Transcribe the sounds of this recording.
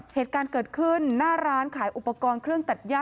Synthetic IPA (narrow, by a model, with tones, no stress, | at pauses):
heː˨˩t̪̚kaː˧nkɤː˨˩t̪̚kʰɯ˥˩nːaː˥˩ɾaː˦˥nkʰaː˩˦jʔu˨˩pːa˧kɔː˧nkʰɾɯ˥˩əŋt̪a˨˩t̪̚jaː˥˩